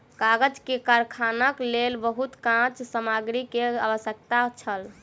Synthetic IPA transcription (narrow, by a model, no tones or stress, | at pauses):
kaɡəd͡ʒkekaɾkʰanəklelbəɦut̪kãt͡ʃsəmaɡɾikea̰bəsjək̚t̪at͡ʃʰəl